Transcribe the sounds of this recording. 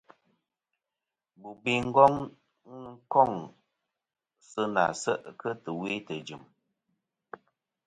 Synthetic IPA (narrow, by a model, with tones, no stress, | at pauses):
bu˨bi˦ŋ̩˦ɡɔ˦ŋ˨˦ | ŋ̩˦kɔ˦˨ŋ˨ | sə˦na̰˨sə˦ʔkə˦tə˨wi˦tə˨d͡ʒɨ˨m